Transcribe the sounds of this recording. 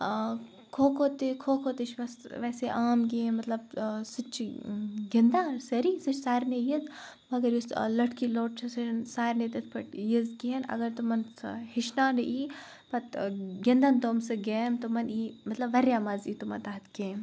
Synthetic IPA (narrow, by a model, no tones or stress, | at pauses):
kʰoːkʰoːt̪ekʰoːkʰot̪it͡ʃʰʋɐsʋɛːseʔaːmɡ̬emɐt̪lɐbsɪt͡ʃɡɐnd̪aːsɐɾiːsɐt͡ʃsaːɾnejiz | mɐɡɐɾjuslɐʈkiloːʈ̚t͡ʃʰɐsɐnsaːɾnet̪ɐt̪ʰpɐʈjizkiɐnɐ̰ɡɐɾt̪omɐn̰hɪʃnaːnɐʔiː | pɐt̪ɡɐnd̪ɐnt̪oːmsɨɡeːmt̪omɐniːmɐt̪lɐbʋɐɾjaːmɐziːt̪omɐt̪aːɐt̪ʰkẽːm